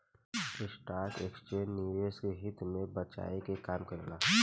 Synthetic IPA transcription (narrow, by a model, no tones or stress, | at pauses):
ɪsʈaːɾkeksʈeniʋeskeɦɪt̪mebət͡ʃa̰ikekaːmkəɾela